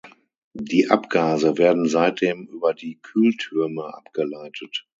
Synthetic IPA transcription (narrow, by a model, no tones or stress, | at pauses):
diːʔapɡ̥aːzəvɛːɐdn̩zaɪt̚d̥eːmʔyːbɐdiːkʰyːltʰyɐməʔa̰pɡ̥əlaɪtʰət